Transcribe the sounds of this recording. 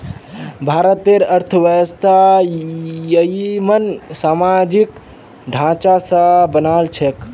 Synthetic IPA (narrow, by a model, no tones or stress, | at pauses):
bʱaɾət̪eɾəɾt̪ʰəʋəjəst̪ʰa | jəimənsamad͡ʒik | ɖʱãt͡ʃasəbənalt͡ʃʰek